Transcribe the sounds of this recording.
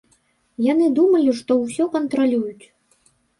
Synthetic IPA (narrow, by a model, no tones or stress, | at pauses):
janɨd̪umɐlʲiʂt̪ɔwsʲɔkɐnt̪ɾalʲujut͡sʲ